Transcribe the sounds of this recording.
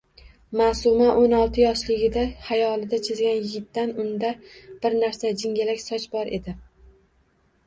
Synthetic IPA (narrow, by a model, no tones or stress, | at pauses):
masʊmaʔonɒlˠt̪ʰɪjɒʃlɪɡʲɪd̪ahajɒlˠɪd̪at͡ʃʰezɡʲanjɪɡʲɪt̪ːanʊnd̪ab̥ɪɾnaɾsad͡ʒɪŋɡʲalakʲsɒt͡ʃbɒɾʔe̞d̪ɪ